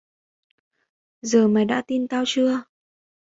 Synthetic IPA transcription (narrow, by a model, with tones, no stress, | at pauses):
zəː˨˩maː˨˩jɗa̰ː˧˥t̪i˧nt̪aː˧wt͡ɕɨ˧ə